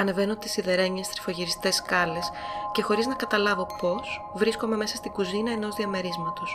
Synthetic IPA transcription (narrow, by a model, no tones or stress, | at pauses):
ɐne̞ve̞not̪isiðe̞ɾe̞ɲest̪ɾi̥fo̞ʝiɾist̪e̞skɐle̞sce̞xo̞ɾiznɐkɐt̪ɐlɐvo̞po̞svɾisko̞me̞me̞sɐst̪iɡuzinɐeno̞zðiɐme̞ɾizmɐt̪os